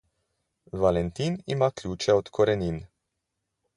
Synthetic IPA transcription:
valɛnt̪iːnḭmaklʲuːt͡ʃɛɔt̪kʰɔɾɛnʲiːn

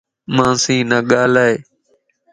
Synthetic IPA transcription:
mãːsĩːnaːɠaːlaːeː

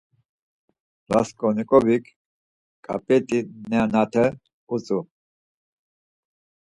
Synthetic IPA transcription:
la̰skʼɔnikʼɔbikʰ | kʼa̰pʼɛt̪ʼinɛanat̪ʰɛ | ut͡sʼu

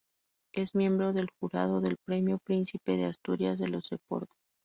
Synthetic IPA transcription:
e̞zmje̞mbɾo̞ðe̞lxuɾað̞o̞ðe̞lpɾe̞mjo̞pɾinsipe̞ðeast̪uɾjazðe̞losepo̞̰ɾto̥

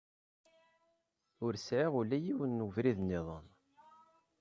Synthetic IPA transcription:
ʊɾsʕɪʁulːæjiwənːəvɾiðnːɪðˤə̰n

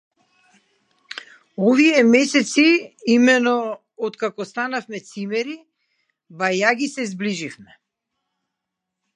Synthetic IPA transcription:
ɔviɛmɛsɛt̪siimɛnɔː | t̪kakɔst̪anafmɛt̪simɛɾi | bajaɡisɛzbliʒifmɛ

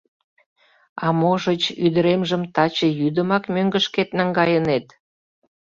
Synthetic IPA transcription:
ɑmoʒət͡ɕyd̪əɾemʒəmt̪ɑt͡ɕəjyd̪əmɑkmøŋɡəʃket̪nɑŋɡɑjənet̪

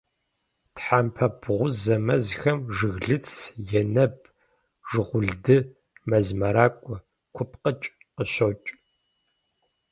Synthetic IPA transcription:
tħampʰɐbʁʷʊzɐmɐzxɐmʐɨɣɮɨt͡sʰjɛnɐb̚ | ʐ̥ɨʁʷʊɮdɨ | mɐzmɐɾaːkʷʼɔ | kʷʰʊpʰqət͡ʃʼ | qəɕot͡ʃʼ

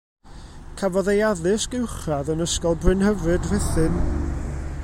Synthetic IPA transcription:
kʰavɔðejaðɨsɡ̥ɪwχaðənəskɔlˠbrɨnhəvrɨdrɛθɨn

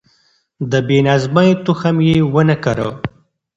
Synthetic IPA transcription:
d̪əbenazmajet̪uxamjewənəkaɾə

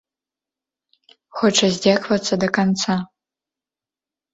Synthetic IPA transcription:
xɔʈ͡ʂʰɐzʲdʲakvɐt͡sːɐd̪ɐkant͡sʰa

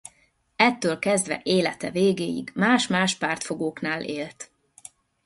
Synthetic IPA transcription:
ɛt̪ːøːlkɛzd̪ʋɛ̰ʔeːlɛt̪ɛ̰veːɡeːjḭɡmaːʃmaːʃpaːrt̪fo̞ɡoːknaːlʔeːlt̪

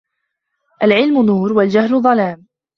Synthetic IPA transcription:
ʔalʕɪlmʊnuːɾwald͡ʒahlʊðˤɑlaːm

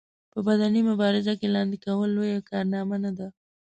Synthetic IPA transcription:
pəbad̪animʊbɑɾɪzakelɑnd̪ekawəlːojakɑɾnɑmanad̪a

